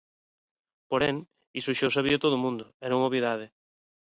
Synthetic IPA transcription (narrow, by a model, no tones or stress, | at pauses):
poɾeŋ | isuʃowsaβiot̪oðʊmũnd̪ʊɛnõŋoβiðað̞ɪ